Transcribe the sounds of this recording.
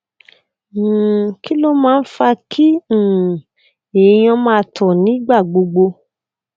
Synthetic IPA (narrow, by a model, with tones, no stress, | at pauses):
ki˦lo˦mãː˦˧n̩˦fa˧kʰĩ˦˨ | e˨j̃ɔ̃˧mãː˦˧tʰɔ˨nĩ˨˦ɡ͡ba˦˨ɡ͡bo˧ɡ͡bo˧